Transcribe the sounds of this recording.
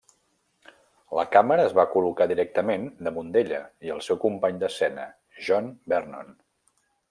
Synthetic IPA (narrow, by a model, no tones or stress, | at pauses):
lə̰kaməɾəːzβakulukaðiɾɛk̚t̪əmend̪əmund̪eʎə̰iəlˠsɛwkumpaɲd̪əsɛnə | ʒɔnbɛrnɔn